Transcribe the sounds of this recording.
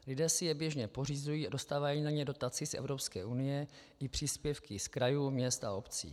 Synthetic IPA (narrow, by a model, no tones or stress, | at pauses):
lɪdɛːsɪjɛbjɛʒɲɛpo̞rizujiːado̞st̪aːvajiːnaɲɛdo̞t̪at͡sɪsʔɛ̰vɾo̞pskɛːʔunɪjɛ | ʔɪpr̝̥iːspjɛfkɪskɾajuːmɲɛst̪a̰opt͡sḭː